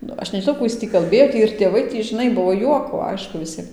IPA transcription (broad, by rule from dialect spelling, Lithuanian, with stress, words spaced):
ˈnʊ ˈɐʃ nʲɛʒʲɪˈnɐʊ ˈkuː ɪs ˈtʲiː kɐlʲˈbʲeːjoː ˈtʲiː ɪr tʲeːˈʋɐɪ ˈtʲiː ʒʲɪˈnɐɪ ˈbuɔ ˈjuɔkoː ˈɐɪʃkʊ ʋʲɪˈsʲiɛm